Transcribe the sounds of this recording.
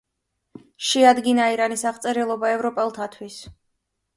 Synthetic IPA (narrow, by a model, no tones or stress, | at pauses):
ʃɛad̪ɡinaiɾanisaʁt̪sʼɛɾɛlˠɔbaɛvɾɔpʼɛlˠt̪ʰat̪ʰwis